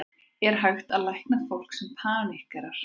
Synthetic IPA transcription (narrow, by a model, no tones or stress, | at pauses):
ɛɾ̥ɦaɥxt̪aðlajhknaðfowl̥ksɛmpʰaːnihkɛɾaɾ̥